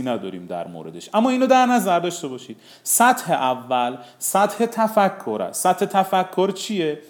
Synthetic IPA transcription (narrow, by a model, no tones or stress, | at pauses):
inæd̪ɒ̰ːɾḭːmd̪æ̰ɾmo̰ɾe̞d̪e̞ʃʔæmːɒːiːnoːd̪æɾnæzæɾd̪ɒːʃt̪e̞bɒːʃiːd̪̥ | sæt̪he̞ʔævːælsæt̪het̪ʰæfækʰːoɾæ̰sæt̪he̞t̪ʰæfækʰːoɾt͡ʃʰije